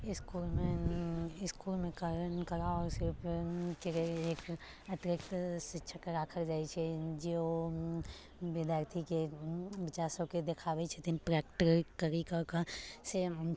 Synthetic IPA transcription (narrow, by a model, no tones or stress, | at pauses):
ɪskuːlmẽ | ɪskuːlmẽkaɾənkɐɾaɔːɾsɪɾpʰkeeeːk | ɐt̪ɾɪkt̪sɪtːʃʰəkəɾaːkʰəɾd͡ʒaːit͡ʃʰɛd͡ʒio | ʋɪd̪jaːɾt̪ʰikeʋɪt͡ʃaːɾsoked̪ekʰaːʋet͡ʃʰet̪inpɾɛːkʈɾkkəɾikakase